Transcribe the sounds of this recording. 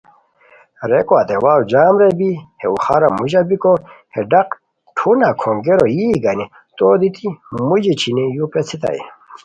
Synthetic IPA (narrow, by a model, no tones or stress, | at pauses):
ɾekwat̪ewawud͡ʑaːmɾebiheuxaɾamuʑabikoheɖaq | ʈʰunakʰoŋɡeɾojiɡani | t̪oːd̪it̪imud͡ʑit͡ɕʰinejupet͡sʰit̪a̰ḭ